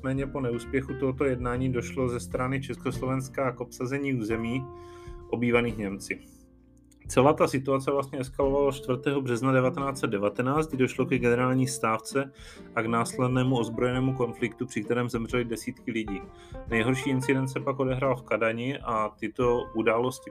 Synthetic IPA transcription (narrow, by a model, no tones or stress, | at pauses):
t͡smɛːɲɛpo̞nɛuːspjɛxut̪oɦot̪o̞jɛdnaːɲiːdo̞ʃlo̞zɛst̪ɾanɪt͡ʃɛskoslo̞vɛnskakʔo̞psazɛɲiːuːzɛmiːʔo̞biːvaniːxɲɛmt͡sɪ | t͡sɛlaːt̪asɪt̪uat͡sɛvlast̪ɲɛɛskalo̞valat͡ʃt̪vr̩t̪ɛːɦo̞br̝ɛznadɛvat̪ɛnaːt͡sɛd̪dɛvat̪ɛnaːt͡st̪do̞ʃlo̞kɛɡɛnɛɾaːlɲiːst̪aːft͡sɛ | ʔaɡnaːslɛdnɛːmuo̞zbɾojɛnɛːmuko̞nflɪkt̪upr̥ɪk̚t̪ɛɾɛːmzɛmr̝ɛlɪdɛsiːt̪kɪlɪɟiː | nɛjɦo̞ɾʃiːɪnt͡sɪdɛnt̪sɛpakodɛɦɾalfkadaɲɪʔat̪ɪt̪o̞ʔudaːlo̞scɪ